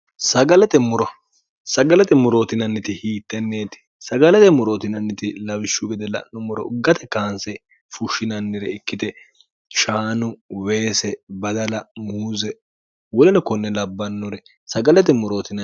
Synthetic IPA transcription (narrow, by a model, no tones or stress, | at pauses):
sɐɡɐlɛt̪ɛmʊɾɔ | sɐɡɐlɛt̪ɛmʊɾo̞ːt̪ɪnɐnːɪt̪ɪhiːt̪ːɛnːe̞ːt̪ɪ̥ | sɐɡɐlɛt̪ɛmʊɾoːt̪ɪnɐnːɪt̪ɪlɐwɪʃːʊɡɛd̪ɛlɐ̰nːʊmʊɾɔ̰ʊɡːɐt̪ɛkaːnsɛ | fʊʃɪnɐnːɪɾɛɪkːɪd̪ɛ | ʃaːnʊwe̞ːsɛbɐd̪ɐlɐmuːzɛ | wɔlɛnɛkɔnːɛlɐbːɐnːʊɾɛ | sɐɡɐlɛt̪̬ɛmʊɾo̞ːt̪ɪnɐ